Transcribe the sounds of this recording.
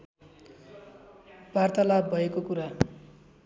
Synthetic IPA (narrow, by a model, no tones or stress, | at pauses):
b̥art̪alabːʱʌekokuɾa